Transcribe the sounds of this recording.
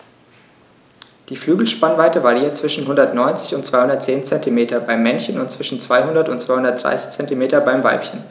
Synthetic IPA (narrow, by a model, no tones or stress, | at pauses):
d̥iːflyːɡl̩ʃpanvaɪtəvaʁiːɐt͡sv̥ɪʃn̩ɦʊndɐtnɔʏnt͡sɪçʊntt͡sv̥aɪhʊndɐtt͡seːnt͡sɛntimeːtʰɐbaɪmːɛnçənʊntt͡sv̥ɪʃn̩t͡sv̥aɪhʊndɐtʊntt͡sv̥aɪhʊndɐt̚d̥ʁ̥a̰ɪsɪ̥çt͡sɛntimeːtɐbaɪmva̰ɪpçən